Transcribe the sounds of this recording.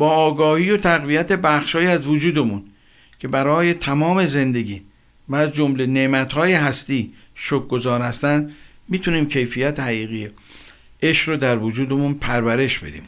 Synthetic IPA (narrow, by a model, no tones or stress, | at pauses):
b̥ɒːɡɒːhiːjot̪ʰæɣvijæt̪ʰe̞bæxʃhɒːiæzvod͡ʒuːd̪e̞mun | cʰe̞bæɾɒːje̞t̪ʰæmɒːme̞ze̞nd̪e̞ɡʲiː | væːzd͡ʒomle̞nemæt̪hɒːjeɦæst̪iːʃok̚ɡozɒːɾhæst̪ænd̪ | miːt̪ʰuniːmcʰe̞jfijæt̪ʰehæɣiːɣije | eʃɾod̪æɾvod͡ʒuːd̪emunpʰæɾvæɾe̞ʃb̥e̞̰d̪ḭːm